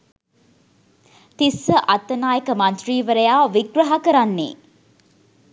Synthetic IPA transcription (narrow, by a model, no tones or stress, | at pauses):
t̪isːəʔɐt̪ːənaːjəkəmɐnt̪riːʋəɾəjaːʋiɡɾɐɦakəɾanːḭː